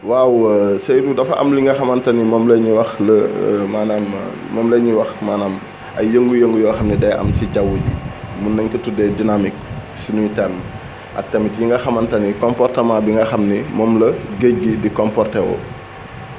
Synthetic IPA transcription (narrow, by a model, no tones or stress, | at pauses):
wawsɐjdudɐfɐʔɐ̰mliŋɡɐxɐmɐntɐnimɔːmlɛɲiwɐxləmaːnaːm̰ | mɔːmlɛɲiwɐxmaːnaːm | ɐ̰jəŋɡujəŋɡujɔːxɐmnidɛjʔɐ̰msiɟawuɟḭmunːɐɲkɐtudɛdinamik̚ | sinuɲtɛɾm | ʔɐ̰k̚tɐmitjiŋɡɐxɐmɐntɐnikɔmpɔrtɐmaːbiŋɡɐxɐmnimɔmlɐɡəɟ̚ɡidikɔmpɔrtɛwɔ̰